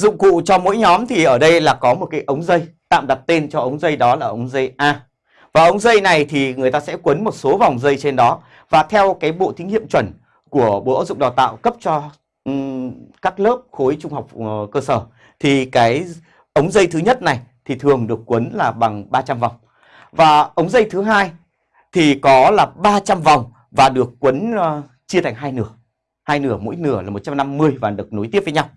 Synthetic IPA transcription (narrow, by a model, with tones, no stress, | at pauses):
zʊ̰˧˨ŋ͡mkṵ˧˨t͡ɕɔ˧mo̰˧˥jɲɔ˨˦mt̪ʰi˨˩ʔəː˧˩ɗə˧jlaː˨˩kɔ˨˦mo˨˩t̚kaː˨˦jʔə˨˦wŋ͡mzə˧jt̪a̰ː˧˨mɗa˨˩t̚t̪e˧nt͡ɕɔ˧ʔə˨˦wŋ͡mzə˧jɗɔ˨˦laː˨˩ʔə˨˦wŋ͡mzə˧jʔaː˧ | vaː˨˩ʔə˨˦wŋ͡mzə˧jna˨˩jt̪ʰi˨˩ŋɨ˨˩əjt̪aː˧sɛ̰˧˥kwə˨˦nmo˨˩t̚so˨˦va˨˩wŋ͡mzə˧jt͡ɕe˧nɗɔ˨˦ | vaː˨˩t̪ʰɛ˧wkaː˨˦jɓo̰˧˨t̪ʰi˨˦ŋḭ˧˨əmt͡ɕwə˧˩n | ku˧˩əɓo̰˧˩ʔə˨˧˦wzʊ̰˧˨ŋ͡mɗaː˨˩wt̪a̰ː˧˨wkə˦˥p̚t͡ɕɔ˧ | kaː˦˥k̚ləː˦˥p̚xo˨˦jt͡ɕʊ˧ŋ͡mɦa˨˩wk͡p̚kəː˧səː˧˩ | t̪ʰi˨˩kaː˨˦j | ʔə˨˦wŋ͡mzə˧jt̪ʰɨ˨˦ɲə˦˥t̚na˨˩jt̪ʰi˨˩t̪ʰɨ˨˩əŋɗɨ˨˩əkːwə˨˦nlaː˨˩ɓa˨˩ŋɓaː˧t͡ɕa˧mva˨˩wŋ͡m | vaː˨˩ʔə˨˦wŋ͡mzə˧jt̪ʰɨ˨˦ɦaː˧j | t̪ʰi˨˩kɔ˨˦laː˨˩ɓaː˧t͡ɕa˧mva˨˩wŋ͡m | vaː˨˩ɗɨ˨˩əkːwə˨˦n˧˩ | t͡ɕi˧ət̪ʰa˨˩jŋɦaː˧jnɨ˧˩ə | haː˧jnɨ˧˩əmo̰˧˥jnɨ˧˩əlaː˨˩mo˨˩t̚t͡ɕa˧mna˧mːɨ˧əjvaː˨˩ɗɨ˨˩k̚no˨˦j̪t̪i˦˥ət̚və˨˦ɲa˧w